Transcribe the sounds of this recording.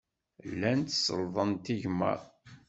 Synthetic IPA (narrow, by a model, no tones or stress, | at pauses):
lːænt̪sə̰lðˤənt̪iʝmə̰